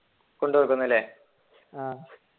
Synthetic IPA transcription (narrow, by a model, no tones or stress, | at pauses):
koɳɖuʋɐɭkːunːɐlːeː | a